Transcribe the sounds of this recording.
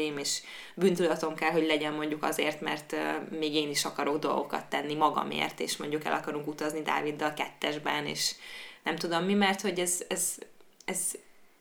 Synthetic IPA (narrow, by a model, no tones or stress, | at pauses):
jimeːʃ | bynt̪ylɒt̪o̞ŋkɛlɦo̞ɟlɛɟɛmmo̞ɲɟukɒzeːrt̪mɛ̰rt̪ːmeːɡeːniʃɒkɒɾo̞ɡd̪o̞lɡo̞kɒ̰t̪ːɛnːimɒɡɒ̰mḛːrt̪ḛːʃmo̞ɲɟukɛ̰lʔɒkɒɾuŋkut̪ɒznid̪a̰ːvid̪ːɒlkɛt̪ːɛʒbɛnḛːʃnɛmt̪ud̪o̞mːimɛrt̪ho̞ɟɛzɛzɛz